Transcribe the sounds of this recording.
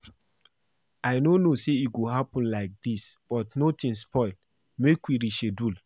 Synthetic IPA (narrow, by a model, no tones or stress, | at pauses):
aɪnonoseit̚ɡoɦapə̃nlaɪk̚disb̥ɔtnotʰĩnspʰɔɪl | mekwiɾiʃedul